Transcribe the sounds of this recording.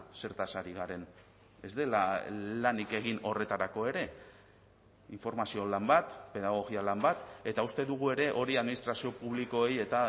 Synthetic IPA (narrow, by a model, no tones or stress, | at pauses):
se̞ɾt̪asaɾiɣ̞aɾe̞n | e̞zd̪e̞lalanike̞ɣ̞ino̞re̞t̪aɾako̞e̞ɾe̞ | iɱfo̞ɾmasio̞lambat̪pe̞ðaɣ̞o̞ɣialambat̪e̞t̪aust̪e̞ðuɣ̞ue̞ɾe̞ʔo̞ɾiaðminist̪ɾasio̞puβliko̞eje̞t̪a